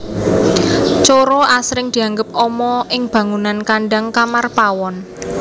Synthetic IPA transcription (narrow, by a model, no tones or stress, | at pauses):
t͡ʃoɾoʔasɾɪŋd̪̥i̤aŋɡəp̚ɔmɔʔɪŋb̥ä̤ŋunankaɳɖaŋkamarpawɔn